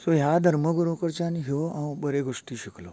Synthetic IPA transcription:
soɦjad̪ʱəɾməɡɾokəɾt͡ɕaniɡeʋoãwbəɾeɡoʂʈiːɕiklo̰

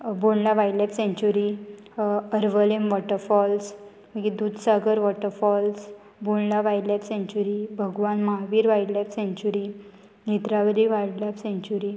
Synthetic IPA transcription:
boɳlaʋajlɛpsɛ̃ɲt͡ɕuɾi | əɾʋəlemʋɔʈəɾfɔls | məɡid̪ud̪ʱsaɡəɾʋɔʈəɾfɔls | boɳlaʋajlɛpsẽɲt͡ɕuɾibʱəɡʋanmaɦaʋiːɾʋajɖlɛpsẽɲt͡ɕuɾi | nit̪ɾaʋəd̪iʋajɽlapsɛ̃ɲt͡ɕuɾi

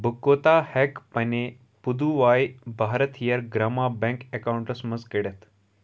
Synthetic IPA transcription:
bʱəkːot̪ahɛkpəne | pud̪uʋajbʱaɾət̪jəɾɡɾamabɛ̃ŋkekawuɳʈəsməzkəɽet̪

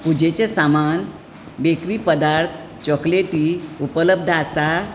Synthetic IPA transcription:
pud͡ʑet͡ɕesaman | bekɾiːpəd̪aɾt̪ʰ | t͡ɕɔkleʈiːupələb̚d̪ʱəasa

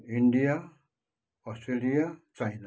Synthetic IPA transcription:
iɳɖija | ɔsʈɾelijat͡ʃajna

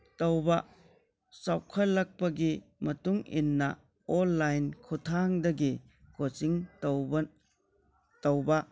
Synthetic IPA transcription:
tɐwbɐ | sawkʰɐlːɐk̚pɐɡimɐtuŋḭnːɐ̰ | ɔnːajnkʰutʰaŋdɐɡi | kot͡ʃiŋ | tɐwbɐ

